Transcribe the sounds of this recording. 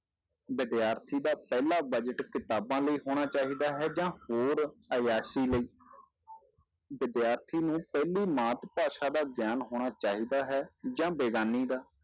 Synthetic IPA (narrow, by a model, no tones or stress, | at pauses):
bɪd̪jaːɾt̪ʰiːd̪aːpɛːlaːbəd͡ʒəʈkɪt̪aːbãːləiːɦoːɽ̃aːt͡ʃaːɦiːd̪aːɦɛːd͡ʒãːhoːɾəjaːsiːləiː | bɪd̪jaːɾt̪ʰiːnũːpɛːliːmaːt̪paːʃaːd̪aːɡjaːnɦoːɽ̃aːt͡ʃaːɦiːd̪aːɦɛːd͡ʒãːbeːɡaːniːd̪aː